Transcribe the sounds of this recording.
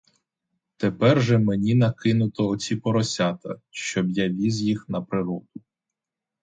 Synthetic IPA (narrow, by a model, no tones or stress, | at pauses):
t̪epɛrʒɛmenʲinɐkɪnʊt̪ɔːt͡sʲipɔɾɔsʲɑt̪ɐ̰ʃt͡ʃɔbjaʋʲizjixnɐpɾɪɾɔd̪ʊ